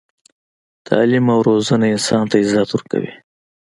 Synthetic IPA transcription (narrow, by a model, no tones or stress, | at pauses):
t̪ʰɑ̰limawɾozanaɪnsɑnt̪aɪzat̪wʊɾka̰wḭ